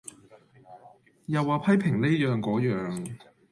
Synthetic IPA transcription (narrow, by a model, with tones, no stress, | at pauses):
jɐ˨waː˨pʰɐ˥jpʰɪ˨˩ŋle˥jœː˨˧ŋkɔː˨˥jœː˨ŋ